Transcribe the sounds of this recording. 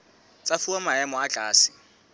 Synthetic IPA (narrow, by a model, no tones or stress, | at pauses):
t͡sʼafuamaɛmɔat͡ɬʼaːsɪ̥